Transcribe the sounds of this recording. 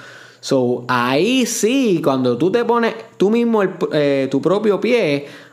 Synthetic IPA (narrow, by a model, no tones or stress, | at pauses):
soaisikwand̪ot̪ut̪eponet̪umiɦmoelpet̪upɾop̬jopje